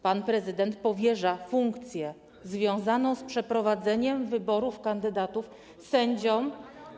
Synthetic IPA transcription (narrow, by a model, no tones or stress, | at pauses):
panpɾɛzɘd̪ɛnt̪̚pɔvʲjɛʐafuŋkt̪sʲjɛ | zvʲjɔ̃w̃zanɔ̃w̃spʂɛpɾɔvad̪zɛɲɛmvɘbɔɾufkand̪ɘd̪at̪uf | sɛɲd͡ʑɔ̃m